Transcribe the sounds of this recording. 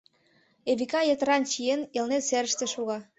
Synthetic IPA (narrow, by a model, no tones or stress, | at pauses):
eβikɑjet̪əɾɑnt͡ɕienelnet̪seɾə̆ʃt̪ĕʃuɣɑ